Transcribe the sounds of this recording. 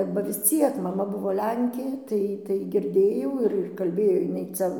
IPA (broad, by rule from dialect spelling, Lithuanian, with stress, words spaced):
bɐ ʋʲɪs ˈt͡sʲiɛk mɐˈmɐ ˈbʊʋoː ˈlʲɛŋʲkʲeː ˈtɐɪ tɐɪ ɡʲɪrʲˈdʲeːjɛʊ ɪr ɪr kɐlʲˈbʲeːjoː jɪˈnɐɪ ˈt͡sʲɛ